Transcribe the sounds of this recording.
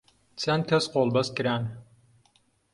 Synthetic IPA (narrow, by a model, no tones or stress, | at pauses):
t͡sɐnt̪ʰɐsqoːlˠbɐskɨɾaːn